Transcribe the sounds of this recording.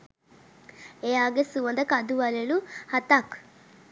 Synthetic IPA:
ejaːɡesuʋɐnd̪ɐkɐd̪uʋaleluhɐt̪ak

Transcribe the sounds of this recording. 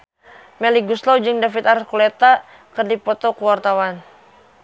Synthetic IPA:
mɛliɡuslɔwd͡ʒɨŋdafit̪aɾkulɛt̪a | kɨrdipɔt̪ɔkuwart̪awan

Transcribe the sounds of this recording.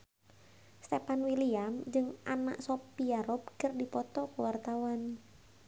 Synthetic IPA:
st̪epanwiliamd͡ʒɨŋana̰ʔsopiaɾɔpkərdipɔt̪ɔkəwart̪awan

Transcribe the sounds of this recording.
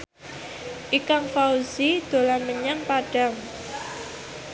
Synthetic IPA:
ʔikaŋfausid̪̥o̤lanməɲaŋpaɖ̥a̤ŋ

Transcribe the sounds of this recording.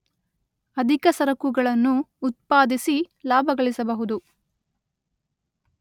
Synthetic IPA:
ɐd̪ʱikɐsɐɾɐkuɡɐɭɐnːuːt̪̚paːd̪isi | laːbʱɐɡɐɭisɐbɐɦud̪u

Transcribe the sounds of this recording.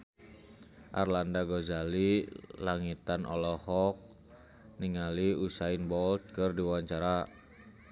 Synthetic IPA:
ʔa̰rlandaɡɔzalilaŋit̪anɔ̰lɔhɔk̚ | niŋaliusainbɔlt̪̚kərdiwaɲt͡ʃaɾa

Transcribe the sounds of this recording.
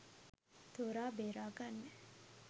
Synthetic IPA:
t̪oɾaːbeːɾaːɡanːe

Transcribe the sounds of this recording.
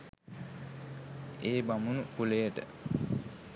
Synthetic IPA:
eːbamunukulejəʈə̰

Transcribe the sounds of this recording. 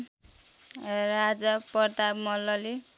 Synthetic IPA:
rad͡zapʌrt̪abmʌlːʌli

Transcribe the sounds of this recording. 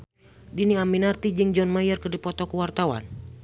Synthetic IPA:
diniaminart̪id͡ʒiŋd͡ʒɔnmajərkɨrdipɔt̪ɔkuwart̪awa̰n

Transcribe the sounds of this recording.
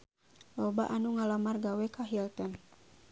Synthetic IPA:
lɔba̰ʔanuŋalamarɡawɛkaɦilt̪ɔn

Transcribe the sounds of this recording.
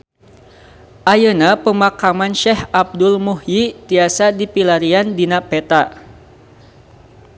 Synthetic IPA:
ʔajənapəmakamanʃɛhab̚dʊlmuhjit̪iasadipilaɾiandinapɛt̪a

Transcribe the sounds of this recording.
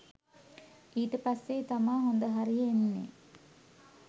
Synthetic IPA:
iːʈəpasːet̪amaːɦond̪əɦaɾienːḛ

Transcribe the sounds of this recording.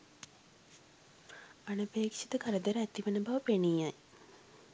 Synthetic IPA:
anəpeːkʂit̪əkaɾəd̪əɾəæt̪iʋənəbaʋəpenijaj

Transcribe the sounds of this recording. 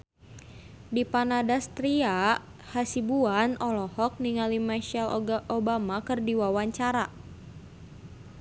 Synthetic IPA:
dipanadast̪ɾia | hasibuanɔlɔhɔk̚niŋalimaʃɛlobamakɨrdiwawaɲt͡ʃaɾa

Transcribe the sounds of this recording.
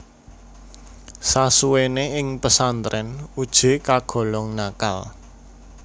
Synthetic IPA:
sasuweneɪŋpəsant̪ɾʔɛnud̥ʒ̥e̤kaɡ̥ɔ̤lɔŋnaka̰l

